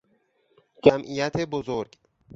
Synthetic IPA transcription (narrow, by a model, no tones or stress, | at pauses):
d͡ʒæmʔijæt̪ʰebozoɾɡ